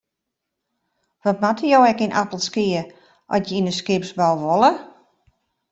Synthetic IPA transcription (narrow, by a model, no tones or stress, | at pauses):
ʋɔtmatəjowɛkinʔa̰təlˠskiə | ʔɔ̰sjəinəskɪpsbɔlˠʋolˠə